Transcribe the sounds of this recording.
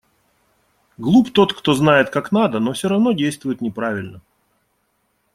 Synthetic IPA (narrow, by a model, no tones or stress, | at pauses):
ɡlˠupt̪o̞t̪kt̪o̞znajɪt̪kaknad̪əno̞fsʲoɾɐvno̞dʲejst̪vʊjɪt̪nʲɪpɾavʲɪlʲnə